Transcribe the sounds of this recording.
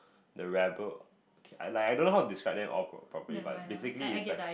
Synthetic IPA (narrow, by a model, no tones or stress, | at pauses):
dəɹɛbə | okʰea̰laɪkajdõnːoɦaʊtudiskɹaɪp̚dɛ̃mʔɔ̰lpʰɹɔ̰pɹɔpəliba̰t̚besikliːslak